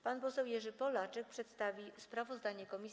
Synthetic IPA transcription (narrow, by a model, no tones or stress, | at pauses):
panpɔsɛwjɛʐɘpɔlat͡ʂɛk̚pʂɛt̪st̪avʲispɾavɔzd̪aɲɛkɔmʲi